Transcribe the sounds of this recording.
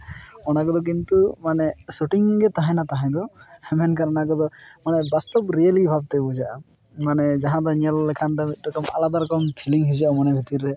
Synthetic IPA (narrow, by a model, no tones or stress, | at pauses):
ɔnakɔd̪ɔk̬int̪umanɛsuʈiŋɡɛt̪aɦãjnat̪aɦãd̪ɔɛmɛnkaɾɔnakɔd̪ɔmanɛbast̪ɔpɾialibʱab̚t̪ɛbɔd͡ʒaʔa | manɛd͡ʒaɦãd̪ɔniɛllɛkʰanʈaidɔʈɔmalad̪aɾkɔmpʰiliŋɦid͡ʒiʔamanɛbʱit̪iɾɛ